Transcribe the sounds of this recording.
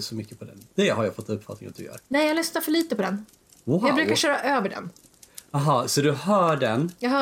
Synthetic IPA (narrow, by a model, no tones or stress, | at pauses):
sɔmʏkːəpʰɔd̪ɛ̰nd̪̥ɛɦaɾjafɔt̪ːɵpːfat̪̚nɪŋa̰t̚d̪ɵjœ̰ːɾnɛjalɛst̪aɾfœɭiːt̪əpʰɔd̪ɛn | aːɡbɾʉːkaʃœːɾaʔøːvəɖɛ̰n | ɑɦɑsɔd̪ɵhœːɖɛnjɑːɡɦœː